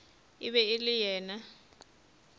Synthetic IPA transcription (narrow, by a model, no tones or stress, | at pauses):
ɪβɛɪlɪjɛːna